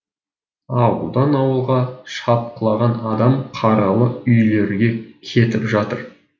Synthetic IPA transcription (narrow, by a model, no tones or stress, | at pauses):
ɑwəlˠd̪ɑnɑwəlˠʁɑʃɑp̚qəlˠɑʁɑnɑd̪ɑmqʰɑɾɑlˠəʏjle̞ɾɡʲe̞kʲʰe̞t̪ɪpʒɑt̪əɾ